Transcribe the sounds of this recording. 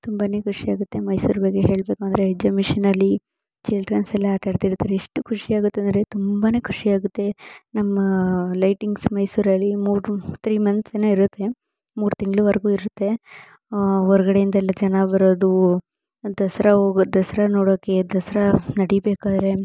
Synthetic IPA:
t̪umbaːneːkʰuʂiaːɡut̪ːe̞mɐjsuːɾbɐɡeɦe̞ːɭbekuɐnd̪ɐɾeed͡ʒɐmiʂinɐlːi | t͡ʃilʈɾɐnsɛlːɐaːʈɐɾt̪iɾt̪ːaːɾeiʂʈukʰuʂiaːɡut̪ːeɐnd̪ɾet̪umbaːne̞ːkʰu̥ʂiaːɡut̪ːe̞nɐmːɐlɐjʈiŋɡsmɐjsuːɾɐlːimuːɾt̪ʰɾiːmɐnt̪senuiɾut̪ːe̞ | muːɾt̪iŋɡɭuʋɐɾɐɡuːiɾut̪ːe̞ | ɔɾɐɡɐɽejind̪ɐɛlːɐd͡ʒɐnɐbɐɾoːd̪u | d̪ɐsɐɾɐɦoɡd̪ɐsɐɾɐnoːɽoːke̞d̪ɐsɐɾɐnɐɽibeːkaːd̪ɾe̞

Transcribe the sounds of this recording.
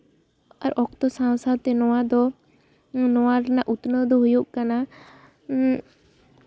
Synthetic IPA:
aɾɔkt̪ɔsãwsad̪̚t̪ɛnɔwad̪ɔ | nɔwaɾnaʔut̪nəd̪ɔɦujuʔkana

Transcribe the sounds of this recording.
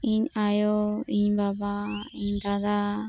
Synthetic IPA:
iɲajoiɲbabaiɲd̪ad̪a

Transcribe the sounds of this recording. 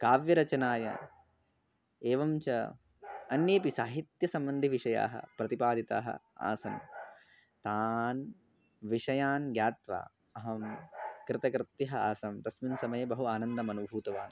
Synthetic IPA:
kaːʋjɐɾɐt͡ʃɐnaːjɐ̰ | eːʋɐmt͡ʃɐ | ɐnjeːpisaːɦit̪jɐsɐmbɐnd̪ʱiʋiʂɐja̰ːɦɐ̰pɾɐt̪ipaːd̪ʱit̪a̰ːɦɐ̰a̰ːsɐ̰n | t̪aːn | ʋiʂɐjaːnɡjaːt̪ʋa̰ː | ɐɦɐmkɾɪt̪ɐkɾɪt̪jiɦɐaːsɐmt̪ɐsminsɐmɐjɐbɐɦuaːnɐnd̪ɐmɐnubʱuːt̪ɐʋaːn

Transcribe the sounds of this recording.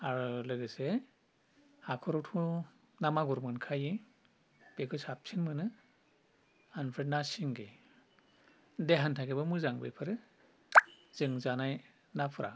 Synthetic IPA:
aɾulɯɡɯse | hakʰɔɾɔtʰu | namaɡɔɾmɯnkʰaji | b̥eɡʰɯsap̚sʰiŋmɯnɯ | anpʰenasiŋɡe | deɦantʰakʰebɯmɯzaŋbɯ̰jpʰɯɾɯ | z̥ɯŋzanaj | napʰɯɾʔa̰

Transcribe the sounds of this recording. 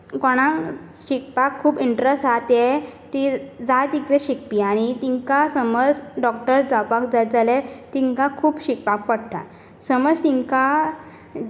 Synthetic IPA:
kɔɽ̃ã | ɕik̚pakʰːuːbiɳʈɾesʈɦat̪et̪id͡zat͡sikɾeɕik̚piañit̪iŋkasəməd͡zɖɔk̚ʈəɾd͡zapakd͡zat̪̚d͡zalet̪iŋkãkʰuːbɕik̚pak̚pəɽʈa̰ | səməd͡zt̪iŋka

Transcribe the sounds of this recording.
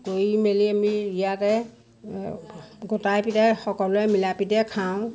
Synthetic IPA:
kojimeliamiijatɛ | ɡɔtajpitɛxɔkɔlʊɛmilapitɛkʰaʊ̃

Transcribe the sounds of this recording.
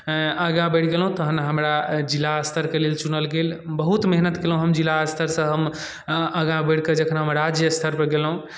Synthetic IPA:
əɡãbəʈʰɡelɦũt̪əɦənɦəmɾad͡ʒilːaəst̪ʰəɾkelelt͡ʃunəlɡelbəɦut̪meɦnət̪kelɦũɦəmd͡ʒilːaəst̪ʰəɾsə̃ɦəm | əɡãbəʈʰkəd͡ʒəkʰnaɦəmɾad͡ʒjəst̪ʰəɾpəɾɡelɦũ

